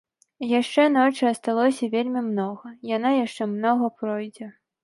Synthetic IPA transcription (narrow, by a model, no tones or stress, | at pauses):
jaʂt͡ʂɛnɔt͡ʂɨɐst̪alˠɔsʲɐvʲelʲmʲimnɔɣɐjanajaʂt͡ʂɛmnɔɣɐpɾɔjd͡zʲɛ